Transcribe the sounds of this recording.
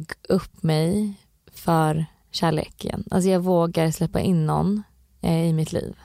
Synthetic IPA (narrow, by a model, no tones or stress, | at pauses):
ɡɵpːmɛj | fœɾ | ɕæːɭḛːkʰə̰na̰ls̬ɔjɑːɡvoːɡaɾslɛpːa̰ʔɪnːɔ̰nː | ɪmɪt̪ʰlḭːv